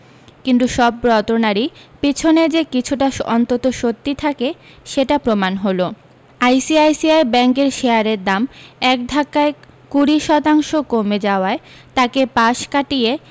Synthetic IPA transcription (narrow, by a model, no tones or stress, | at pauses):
kint̪uʃɔbɾɔt̪onaɾipit͡ɕʰoned͡ʑekit͡ɕʰuʈaɔnt̪ot̪oʃot̪ːit̪ʰake | ʃeʈapɾomanɦolo | ajsiajsiajbɛŋkeɾʃeaɾeɾd̪amɛkd̪ʱakːae | kuɾiʃɔt̪aŋʃokomed͡ʑaoae | t̪akepaʃkaʈie